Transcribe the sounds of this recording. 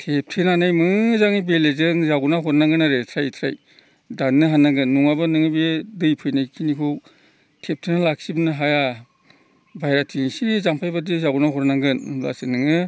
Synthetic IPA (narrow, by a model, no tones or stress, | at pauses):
tʰep̚tʰenanajmɯzaŋibelezɯŋzaɡunaɦɔɾnaŋɡɯnaɾetʰɾajtʰɾa̰j | danːɯɦanːaɡɯnːuŋabɯnɯŋɯbedɯjpʰɯjnajkʰinikʰu | tʰep̚tʰenalak̚sibnɯɦaja | bajɾatʰisizampʰajbadizaɡunaɦɔɾnaŋɡɯnmla̰sɯnɯŋɯ